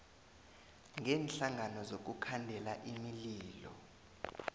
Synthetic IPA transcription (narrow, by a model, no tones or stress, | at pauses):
ŋʱɛːnɬaŋʱanɔzok̬ukʰandʱɛlaʔimiliːlɔ̰